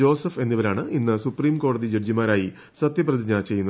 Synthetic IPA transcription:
o̞ːsɐfe̞nːiʋɐɾaːɳɨinːɨsupriːmko̞ːɽɐðid͡ʑeɖd͡ʑimaːɾaːji | sɐt̪jɐprɐðiɲaːt͡ɕe̞jːunːɐ

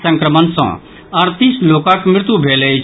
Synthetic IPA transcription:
sə̃ŋkɾəmənsɔ̰̃ | ɐɾt̪isloːkãkmɾɪt̪ubʱeːle

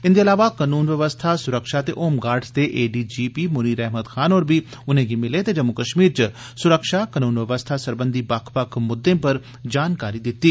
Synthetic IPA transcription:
ɪnd̪eːɐlaːʋakənuːnʋəʋəst̪ʰasʊɾəkʃat̪eʔoːmɡaːɾɖsd̪eːʔeːɖiːd͡ʒiːpiːmʊniːɾɛɦmət̪kʰaːnoːɾbiʊn̤ẽːɡimɪlet̪ed͡ʒɐmʊkəʃmiːɾt͡ʃ | sʊɾəkʃakɐnuːnʋəʋəst̪ʰasəɾbə̃nd̪ibɐkʰpɐkʰmʊd̪ːẽːpɐɾ | d͡ʒaːnkaːɾid̪ɪt̪ːiː

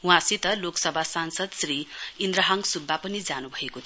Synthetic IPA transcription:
w̃ãsit̪ʌloksʌbʱasansʌd̪sriind̪ɾʌɦaŋsubʱːapʌnid͡zanubʱʌekot̪ʰ

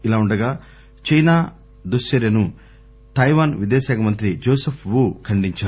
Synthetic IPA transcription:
ilaːuɳɖɐɡaː | t͡ʃɐjnaː | d̪usɐɾjɐnu | t̪ɐjʋaːnʋid̪eːɐsaːkɐmɐnt̪ɾid͡ʒoːsepʰʋukʰɐɳɖiɲt͡ʃaːɾu

